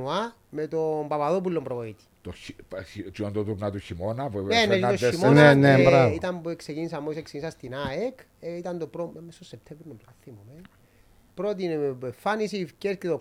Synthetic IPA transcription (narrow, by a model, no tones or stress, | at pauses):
ua | met̪ombɐpaðop̬ulːombɾooit̪i̥t̪oiit͡ʃiant̪ot̪uɾnat̪uçimonɐpneneit̪oimonenebɾavit̪ɐmbueksecinis̬ɐmːoisekseinisɐst̪inaek | eit̪ɐnd̪opɾommest̪osːep̚t̪ʰevɾinopɐθimomen | pɾot̪̬inepefːanisiːfcesket̪o